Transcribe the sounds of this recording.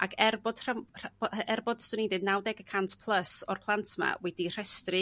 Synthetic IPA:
akʰɛrbɔd̥r̥araɛrbɔd̥sʊnidɨdnawdɛɡəkʰantʰpʰlˠəsɔrpʰlˠantʰma̰wɛdir̥ɛstrɨ

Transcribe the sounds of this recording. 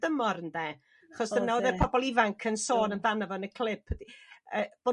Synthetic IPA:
dəmɔɾəndɛ | aχɔsd̥ənːɛwðɛpʰɔbɔlˠivaŋkʰənsoːnənvanavɔənəkʰl̥ˠɪpʰdiəːb̥oː

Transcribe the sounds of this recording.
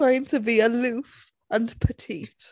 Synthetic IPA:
ãɪ̃ntʰəbiəlʉˑf | ə̃npʰətʰiˑt

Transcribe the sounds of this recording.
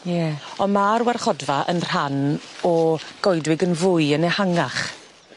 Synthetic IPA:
jɛɔnmaɾwarχɔdvaʔə̰nr̥anɔɡ̥ɔɨdwɪɡənvʊɨənɛhaŋaχ

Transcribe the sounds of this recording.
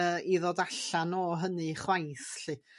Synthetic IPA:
əːiðodaɬanɔːɦənɨχwajθɬɪ

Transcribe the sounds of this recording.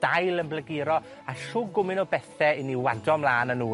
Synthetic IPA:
d̥ajlˠənblˠəɡɪɾɔ | aʃuːɡʊmɪnɔbɛθɛɪniwadɔmlˠaːnənuː

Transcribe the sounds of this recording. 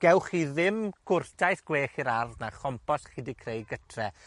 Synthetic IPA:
ɡ̥ɛwχiðɪmɡ̥ʊrtʰajθɡ̥weːχiɾarðnaχɔmpʰɔsχɪdikʰrejɡətʰrɛ

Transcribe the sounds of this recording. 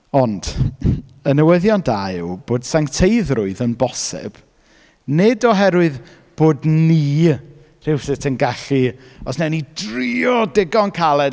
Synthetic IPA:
ɔnd̥ | ənəwəðjɔndaɪwb̥oːd̥saŋtʰejðrʊɨðənbɔsɛ̰b̥ | nɪdɔɦɛɾwɨð | b̥oːdniː | r̥ɪwsɪtʰənɡaɬiɔsnɛnidriɔdɪɡɔnkʰalˠɛ

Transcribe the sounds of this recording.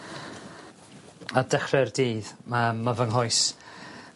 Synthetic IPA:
adɛχrɛrdiːðmamavəŋɦɔjs

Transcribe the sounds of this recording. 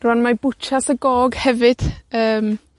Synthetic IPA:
rwanmabʊt͡ʃasəɡɔːɡhɛvɨd̥əːm

